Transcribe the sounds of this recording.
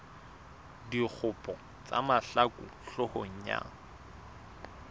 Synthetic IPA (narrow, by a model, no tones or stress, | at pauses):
dik͡xʰʊpʼɔ | t͡sʼa̰maɬakʼṵɬʊhoɲ̩ɲa̰